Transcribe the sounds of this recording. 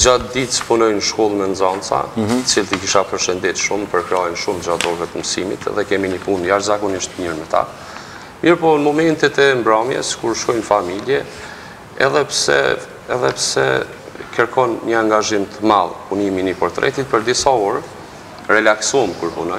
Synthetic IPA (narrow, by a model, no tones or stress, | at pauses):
d͡ʒat̪̚d̪it̪spunɔjnəʃkɔlˠmɛnd͡zɔnt͡sa̰ət͡silt̪ikiʃapəɾʃənd̪it̪ʃumpəɾkɾɛɔjnʃumd͡ʑat̪d̪ɔɾvɛt̪əmsimḭt̪ɛ̰ðɛkɛminəpunjaʃzakɔniʃt̪miɾmɛt̪a̰ | miɾpɔmɔmɛnt̪it̪ɛmbɾamjɛ̰skuɾʃkɔjnfamiljɛ | ɛ̰ðɛpsɛ̰ | ɛ̰ðɛpsɛ̰ | kəɾkʰɔnɲəaŋɡaʒimt̪ʰəma̰lˠpuniminipɔɾt̪ɾʔɛ̰t̪it̪̚pəɾd̪isauɾ | ɾɛlaksumkuɾpunɔj